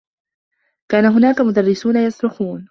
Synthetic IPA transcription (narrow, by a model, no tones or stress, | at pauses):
kaːnaɦʊnaːkamʊd̪ɑrˤːɪsuːnajɑsɾʊxuːn